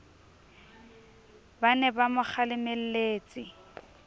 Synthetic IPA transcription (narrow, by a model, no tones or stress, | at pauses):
banɛbamʊk͡xalɪmel̩leːt͡sʼɪ